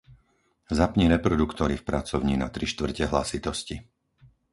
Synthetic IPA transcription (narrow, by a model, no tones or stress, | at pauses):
zapɲiɾɛpɾɔd̪ukt̪ɔɾifpɾat͡sɔʊɲiːnat̪ɾiʃt̪ʋr̩cɛɦla̰sit̪ɔsci